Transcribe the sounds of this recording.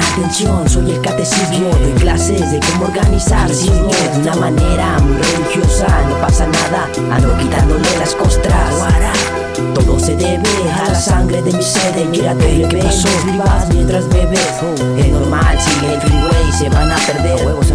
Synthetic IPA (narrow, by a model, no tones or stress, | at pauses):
at̪ensjonsoβɾelkat̪esiβjoðeklasezðekomooɾɣanisaɾsiodunamaneɾamujrelixjosanopasanaða | a̰nd̪okit̪and̪olelaskost̪ɾa | aɾa | t̪oðoseðeβe | alasaŋɡɾeðemiseðekiɾat̪eekɾesoβiβamjent̪ɾazβeβe | enoɾmalsiet̪iɡuejseβanapeɾðeɾweɣos